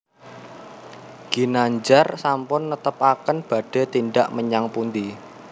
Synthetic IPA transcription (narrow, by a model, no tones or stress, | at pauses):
ɡ̥inaɲd͡ʒarsampʊnːət̪əpakənb̥a̤ɖ̥e̤t̪inɖaʔməɲaŋpund̪i